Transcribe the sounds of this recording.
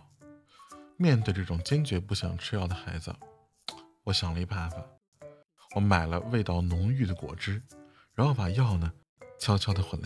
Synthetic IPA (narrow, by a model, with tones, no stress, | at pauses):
mjɛ˥˧nt̪̬we˥˩ɪʈ͡ʂɤ˥˩ʈ͡ʂʊ˨˩ŋt͡ɕjɛ˥nt͡ɕɥɛ˧˥pu˥˩ɕjɑ̰˨˩ŋʈ͡ʂʰɻ̩˥jɑ˥˩ʊd̪ə˩xa˧˥ɪd͡zə̰˧ | wɔ˧˥ɕjɑ˨˩ŋlə˦i˧˥pa˥˩fa˨˩ | wɔ˧˥ma˨˩ɪlə˦we˥˧ɪt̪ɑ˥˩ʊnʊ˧˥ŋy˥˩d̪ə˩kwɔ̰˨˩ʈ͡ʂɻ̩˥ | ɻa˧˥nxo˥˩ʊpa˨˩jɑ˥˩ʊnə˩ | t͡ɕʰjɑ˥ʊt͡ɕʰjɑ˥ʊd̪ə˧xwə˨˩nl